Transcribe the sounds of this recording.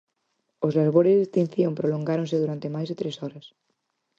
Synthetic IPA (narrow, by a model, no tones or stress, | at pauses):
ozlaɾβoɾɪzðest̪ĩnθjõmpɾoloŋɡaɾõŋsɪðuɾant̪ɪmajzðɪt̪ɾesɔɾɐs